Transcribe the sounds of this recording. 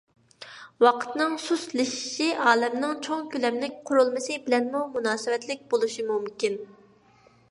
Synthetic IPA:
wɑqʰə̥t̪nɨŋsuslɪʃi̥ʃiʔɑːlɛmnɨŋt͡ʃʰoŋkʲylɛmlɪk̚ʲqʰʊɾulˠmɨsɨbɪlɛnmumunɑːsɨwɛt̪lɪk̚ʲbolˠuʃimumkʲin

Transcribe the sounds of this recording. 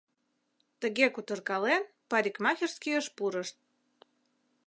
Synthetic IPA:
t̪ə̆ɣekut̪ə̆rkɑlen | pɑɾʲikmɑxʲerskijəʃpuɾəʃt̪̚

